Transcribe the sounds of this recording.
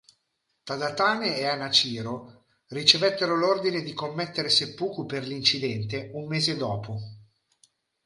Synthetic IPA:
t̪ad̪at̪aːneeanat͡ʃiːɾo | rit͡ʃevɛt̪ːeɾolord̪ined̪ikomːet̪ːeɾesepːuːkuperlint͡ʃid̪ɛnt̪eumːeːzed̪ɔːpʰo

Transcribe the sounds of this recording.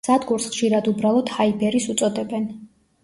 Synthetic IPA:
z̥ad̪ɡuɾsχʃiɾad̪ubɾalˠɔd̪haibɛɾisut̪sʼɔd̪ɛbɛn

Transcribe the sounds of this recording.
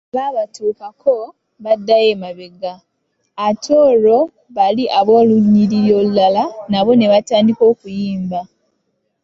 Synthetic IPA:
βaːβatuːkakʰo | βadːajeːmaβeɡaː | tʰoɾo̞ | βaliʔaβwoːluɲːiɾiɾjolulalanaβo̞ne̞βataːndiko̞ːkujiːmba

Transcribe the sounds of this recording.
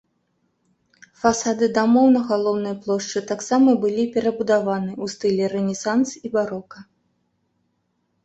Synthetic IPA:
fasad̪ɨd̪amɔwnɐɣalˠɔwnɨjɐplˠɔʂt͡ʂɨt̪aksamɐbɨlʲipʲɛɾɐbud̪avanɨust̪ɨlʲɛrɨnʲɛsansibaɾɔkɐ

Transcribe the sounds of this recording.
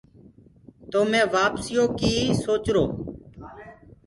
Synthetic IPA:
t̪oːmɛ̃ːʋaːpsiːoːkiːsoːt͡ʃɾoː

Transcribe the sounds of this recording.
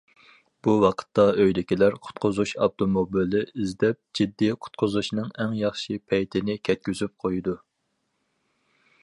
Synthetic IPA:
b̥uwɑqʰə̥t̪ːɑøjlɪkʲilæɾqʰʊ̥t̪̚qʰʊzuʃɑb̚t̪ʰomobilɪizd̪ɛp̚d͡ʒid̪ːiqʰʊ̥t̪̚qʰʊzuʃnɨŋɛŋjɑχʃipʰɛjt̪ʰɪnɪkʲʰɛt̪̚kʲyzyp̚qʰojud̪u

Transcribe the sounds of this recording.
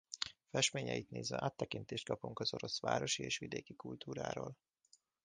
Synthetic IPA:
fɛʃmeːɲɛjit̪neːzʋɛ̰ʔaːt̪ːɛkint̪eːʃt̪̚kɒpuŋkɒz̥o̞ɾo̞sʋa̰ːɾo̞ʃieːʃʋid̪eːkikult̪uːɾa̰ːɾoːl

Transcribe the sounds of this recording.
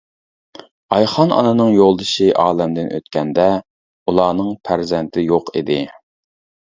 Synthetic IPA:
ɑjχɑnʔɑ̰nɨnɨŋjolˠd̪ɨʃiʔɑːlɛmd̪ɪnʔø̰t̪kʲʰɛnd̪ɛ | ulˠɑːnɨŋpʰæɾzɛnt̪ʰɪjoqid̪ɪ

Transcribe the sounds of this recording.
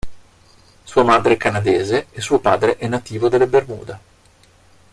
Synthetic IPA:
suːamad̪ɾeɛkanad̪eːzees̬ːuːopaːd̪ɾeʔɛnːat̪iːvod̪elːebermṵːd̪a

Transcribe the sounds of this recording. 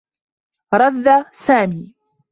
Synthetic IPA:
ɾˤɑðːasaːmiː

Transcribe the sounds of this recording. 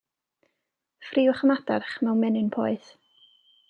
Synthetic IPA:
friːʊχəmadarχmɛwmɛnɨnpʰɔːɨθ

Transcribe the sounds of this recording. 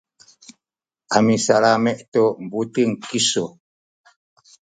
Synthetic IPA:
amisalamɛʔtɔm̩buteŋ̩kisɔ

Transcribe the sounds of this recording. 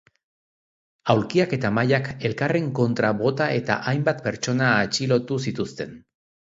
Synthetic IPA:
awlkiake̞t̪amajake̞lkare̞ŋko̞nt̪ɾaβo̞t̪ae̞t̪a̰ʔajmbat̪pe̞ɾt͡ʃo̞naːt͡ʃilo̞t̪usit̪ust̪e̞n

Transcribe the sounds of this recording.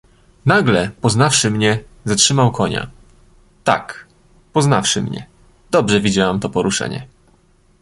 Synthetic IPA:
naɡlɛpɔznafʂɘmɲɛ | zatʂɘmawkɔɲa̰ | t̪a̰k | pɔzna̰fʂɘmɲɛ̰ | d̪̥ɔbʐɛvʲid͡ʑawamt̪ɔpɔɾuʂɛ̰ɲɛ̰

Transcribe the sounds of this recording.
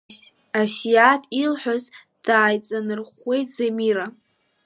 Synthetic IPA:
aʃjatʰilħʷᶣaz | d̥aːjt͡sʼanɨrχʷe̞jtʰz̥amiɾa

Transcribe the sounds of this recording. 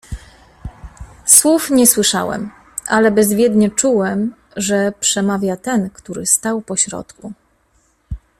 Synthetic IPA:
swufɲɛswɘʂa̰wɛ̰m | ʔalɛbɛzvʲjɛd̪ɲɛt͡ʂuwɛm | ʐɛpʂɛmavʲjat̪ɛnkt̪uɾɘst̪awpɔɕɾɔ̰t̪ku

